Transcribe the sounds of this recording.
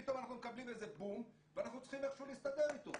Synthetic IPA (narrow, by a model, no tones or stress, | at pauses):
it̪o̞manaχnumekablimezebum | veanaχnut͡sχimeχʃuvliːst̪ad̪e̞ʁit̪o